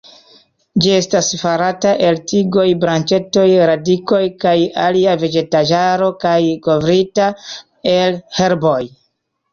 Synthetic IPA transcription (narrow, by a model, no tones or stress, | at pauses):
d͡ʒie̞stasfaɾataʔe̞ltiɡo̞jbɾant͡ʃe̞to̞jɾadiko̞jkajaliave̞d͡ʒe̞tad͡ʒaɾo̞kajko̞vɾita | e̞lhe̞ɾboj